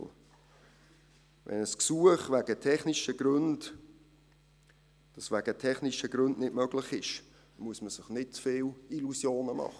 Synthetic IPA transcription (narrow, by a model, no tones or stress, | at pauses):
vʔɛ̰nəsksuəχvæɡ̥ətʰɛχniʃəɡ̥ɾʉnd | d̥ɑsvæɡ̥ətʰɛχniʃəɡ̥ɾʉndnɪdmœɡlɪχɪʃ | muəsməsɪχnɪtt͡sfɪːlilusjoːnəmɑ̰χə